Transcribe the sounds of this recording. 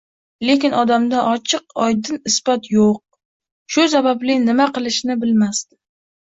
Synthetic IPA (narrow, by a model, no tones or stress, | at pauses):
le̞kʲɪnʔɒd̪amd̪aʔɒt͡ʃʰɨqɒjd̪ɪnɪsbɒt̪joq̚ | ʃʊs̬abablɪnɪmaqɨlˠɪʃnɪbɪlmast̪ɪ̥